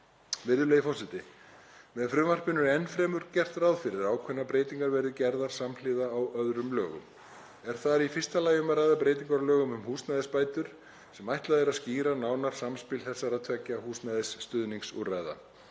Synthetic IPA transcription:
vɪɾðʏleːjɪfɔsɪt̪ɪ | mɛðfɾʏːmar̥pɪnʏɾɛnːfɾɛːmʏɾ̥cɛr̥t̪ɾaːwðfɪɾɪɾaːwkʰvɛnːapɾeːjt̪iŋkaɾvɛɾðʏcɛɾðaɾ̥samlɪðaːwœðɾʏmlœːɣʏ̰m | ɛɾ̥θaɾifɪst̪alaːjʏmaraːjðapɾeːjt̪iŋkaɾlœːɣʏmʏmhuːsnajðɪspaːjt̪ʏɾ̥ | sɛmajht̪laðɛɾaðsciːɾanaːwnaɾ̥samspɪlθɛsːaɾaðt̪ʰvɛcːahuːsnajðɪsːt̪ʏðniŋsṵra̰jða̰

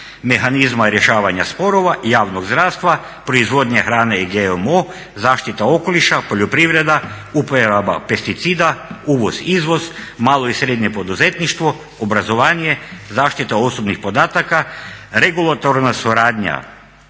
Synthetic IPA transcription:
me̞xanizmaɾjeʃaːʋaɲaspo̞ɾoʋajaːʋnoɡzd̪ɾaːst̪ʋa | pɾoizʋo̞d̪ɲaxɾaːneiɡeomo | zaːʃt̪it̪ao̞ko̞liʃapo̞ʎopɾiʋɾe̞d̪a | upojaaba̰pe̞st̪it̪siːd̪auːʋoz̥izʋo̞z̥maːlˠo̞isɾed̪ɲe̞po̞d̪uzet̪niʃt̪ʋo̞ | obɾazo̞ʋaːɲe̞zaːʃt̪it̪ao̞so̞bnixpo̞d̪aːt̪akaɾe̞ɡulˠat̪oɾnasuɾaːd̪ɲa̰

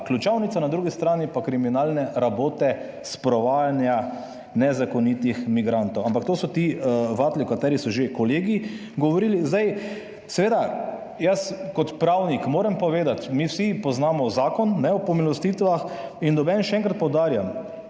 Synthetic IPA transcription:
klut͡ʃawnit̪sanad̪ɾuːɡist̪ɾaːnipakɾiminaːlnɛɾaboːt̪ɛ | spɾɔʋaːjanja | nɛzakɔnit̪ixmiɡɾant̪owampakt̪oːsɔt̪iʋat̪likat̪ɛːɾisɔʒekɔleːɡi | ɡɔʋɔɾiːlizd̪aj | sɛʋeːd̪a | jaskɔt̪pɾawnikmoːɾɛmpɔʋeːd̪at̪miwsipɔznaːmɔzaːkɔnːɛwpɔmilɔst̪it̪ʋaxind̪ɔbɛnʃɛɛ̃ŋkɾat̪̚pɔwd̪aːɾjam

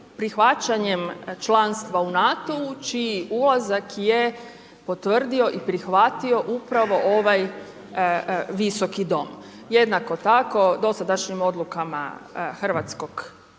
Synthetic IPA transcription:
pɾixʋat͡ʃaɲemt͡ʃlanst̪ʋaunat̪o̞ut͡ʃiːulˠazakje | po̞t̪ʋr̩d̪io̞ʔipɾixʋat̪io̞ʔupɾaʋo̞ʔoʋaj | ʋiso̞kid̪o̞m | je̞d̪nako̞t̪ako̞d̪o̞sad̪aʃɲimo̞d̪lukama̰xr̩ʋat̪sko̞ɡ̥

